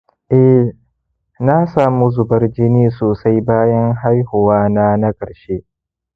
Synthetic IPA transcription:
ʔɛ˦ | na˦saː˨mu˦zʊ˨bɐ˦rd͡ʒɪ˦niː˦soː˨sa˦jbaː˦jɐ˦ŋɦa˦jhʊ˨waː˦na˦na˦kʼɐ˨ɽʃe˦ʔ

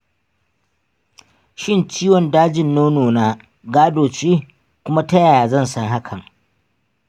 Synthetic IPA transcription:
ʃɪ˦nt͡ʃiː˦wɔ˨ndaː˦d͡ʒɪ˨nːoː˦noː˨naː˦ | ɡaː˦doː˨t͡ʃeː˦ | kʷʊ˦ma˦tɐ˦jaː˨jaː˨zɐ˦˨nsɐ˦ŋɦa˦kʰɐ˨ŋ

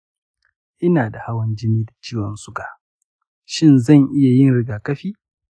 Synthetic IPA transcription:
ʔɪ˦naː˨da˨ha˦wɐ˦nd͡ʒɪ˦niː˦da˨t͡ʃiː˦wɔ˨nsʊ˦ɡa˨ʔ | ʃɪ˦nzɐ˦˨ŋʔɪ˦ja˨jɪ˦nɽɪ˦ɡaː˨kɐ˦ɸiː˦

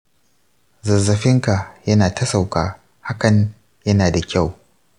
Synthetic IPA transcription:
zɐ˨zːɐ˨ɸɪ˦ŋka˨jɐ˦naː˨tʰɐ˦sa˨wkaː˨ | ha˦kɐ˨ɲ | jɐ˦naː˨da˨kʲa˦˨w

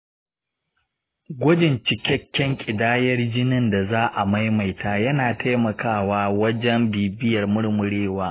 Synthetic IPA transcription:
ɡʷʊ˦d͡ʒɪ˨nt͡ʃɪ˨kʲɛ˦kʲːɛ˦ŋkʲʼɪ˨daː˦jɐ˦rd͡ʒɪ˦nɪ˦nda˨zaː˦ʔa˨ma˦jma˨jtaː˦˨jɐ˦naː˨tʰa˦jmɐ˨kʰaː˦˨waː˦wɐ˦d͡ʒɛ˦mbiː˨bɪ˦jɐ˨rmʊ˦ɽmʊ˨ɽeː˦waː˦ʔ

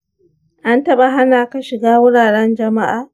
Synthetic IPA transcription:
ʔa˦ntɐ˦ɓa˨ɦa˦naː˨kɐ˦ʃɪ˨ɡaː˦wʊ˦ɽaː˨ɽɛ˦nd͡ʒɐ˨ma˦ʔaː˨

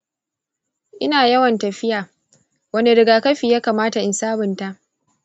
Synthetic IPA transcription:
ʔɪ˦naː˨jɐ˦wɐ˨ntɐ˨ɸɪ˦jaː˨ | wɐ˦nde˨ɾɪ˨ɡaː˨kɐ˦ɸiː˨jaː˦kaː˨maː˦ta˨ʔɪ˨nsaː˦bɪ˨nta˦ʔ

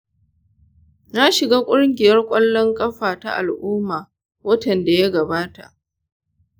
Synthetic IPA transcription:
na˦ʃɪ˨ɡaː˦kʷʼʊ˦ɽŋɡʲɪ˨jɐ˦rkʷʼɐ˦lːɔ˦ŋkʼɐ˦ɸaː˨ta̰˦ʔa̰˨lʔʊː˦mːaː˨ | wɐ˦tɐ˨nda˨ja˦ɡɐ˨baː˦ta̰˨ʔ

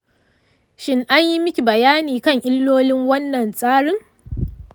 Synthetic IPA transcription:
ʃɪ˦ŋʔa˦ɲji˦mɪ˦kʲi˨bɐ˨jaː˦niː˨kɐ˦˨ŋʔɪ˦lːoː˦lɪ˦ŋwɐ˦nːɐ˨nsʼaː˦ɽɪ˦ŋ

